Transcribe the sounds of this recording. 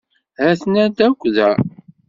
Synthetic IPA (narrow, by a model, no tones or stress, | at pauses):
hæθnæd̪ækʷːðæ